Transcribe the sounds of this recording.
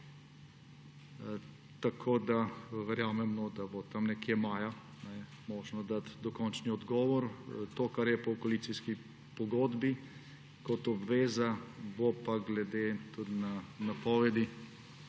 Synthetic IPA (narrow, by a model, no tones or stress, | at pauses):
t̪akʰoːd̪aʋɛɾjaːmɛmnɔd̪abɔt̪amnɛkjemaːja | nɛ | mɔːʒnɔd̪at̪d̪ɔkɔnt͡ʃniɔd̪ɡɔːʋɔɾt̪oːkaɾjɛpɔɔkɔlit̪siski | pɔɡoːd̪bi | kɔt̪ɔbʋeːzabopaɡlɛd̪et̪ud̪nanapɔːʋɛd̪i